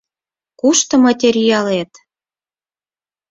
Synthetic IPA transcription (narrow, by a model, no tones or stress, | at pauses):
kuʃt̪ɤ̆mɑtʲeɾʲijɑlet̪